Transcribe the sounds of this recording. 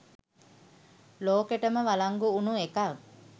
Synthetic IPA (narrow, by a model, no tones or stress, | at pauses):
loːkeʈəməʋalaŋɡuːnuekaʋ